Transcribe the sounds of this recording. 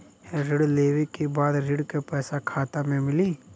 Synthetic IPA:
ɛɾɪɽleːwekebaːd̪ɾɪɽkepɛːsakʰaːt̪amẽmɪli

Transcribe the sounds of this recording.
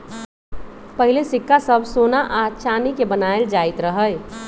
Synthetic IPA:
pəɦilesɪkːasəbʱsonaʔat͡ʃʰanikebənaeld͡ʒaɪt̪ɾəɦə

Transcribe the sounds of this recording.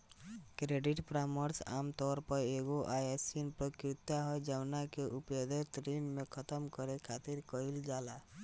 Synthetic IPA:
kɾeɖiʈpɾaməɾsa̰mt̪ɔɾpɔɾeɡoʔajesinpɾɔkɾit̪ːaɦɔjd͡ʒawnakeʔuped̪et̪ɾinmẽkʰət̪əmkɔɾekʰat̪iɾkɔild͡ʒala

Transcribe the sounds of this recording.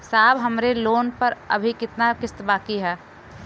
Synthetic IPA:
saːbɦəmɾeloːnpəɾə̰bʱikɪt̪nakɪst̪baːkiɦɛː

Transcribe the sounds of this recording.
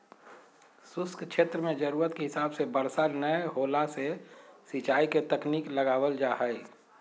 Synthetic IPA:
sʊskʰt͡ʃʰeːt̪ɾəmẽd͡ʒəɾuːɾət̪keɦɪsaːbsebəɾsanəjɦoːlasesɪt͡ʃaːiket̪əkniːkləɡaːwəld͡ʒaːɦəj

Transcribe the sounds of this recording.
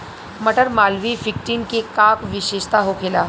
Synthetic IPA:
məʈəɾmaːlʋifɪk̚ʈiːnkekaːkʋɪʃeːʃt̪aɦokʰeːlaː

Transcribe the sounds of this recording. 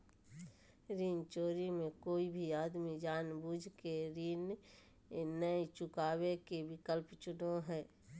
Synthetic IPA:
ɾiːnt͡ʃoːɾimẽkoːibʱiaːd̪mid͡ʒaːnbuːd͡ʒʱkeɾiːn | nəit͡ʃʊkaːwekebɪkəlpt͡ʃʊnoɦɛː

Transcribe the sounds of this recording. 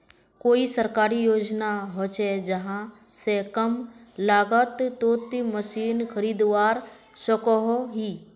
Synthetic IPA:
koːisəɾkaːɾijoːd͡ʒnaɦot͡ʃed͡ʒəɦã | sekəmlaːɡət̪t̪oːt̪iməsiːnkʰəɾiːd̪ʋaːɾ | səkɔɦoɦiː

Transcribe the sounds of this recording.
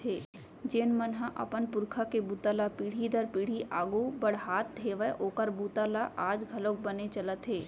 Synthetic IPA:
ɦeː | d͡ʒeːnmənɦãʔɐ̰pənpʊɾkʰakebuːt̪alapiːɽ̤id̪əɾpiːɽ̤iʔaːɡubəɽ̤ɦaːt̪̚d̪ʱeːʋəʔoːkəɾbuːt̪alaʔaːd͡ʒɡʱɐlok̚bɐnet͡ʃələt̪ɦeː

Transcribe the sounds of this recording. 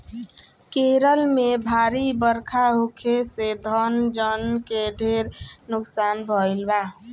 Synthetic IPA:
keɾəlmebʱaːɾibəɾkʰaɦukʰesed̪ʱənd͡ʒənkeɖʱeɾnʊksaːnbʱəɪlba

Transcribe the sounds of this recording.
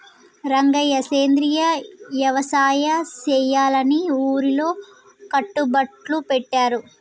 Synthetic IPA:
ɾɐŋɡɐjɐseːnd̪ɾijɐʋjɐʋɐsaːjɐt͡ʃɛːjaːlɐniuːɾilo̞ː | kɐʈːubɐʈlupɛʈːaːɾu

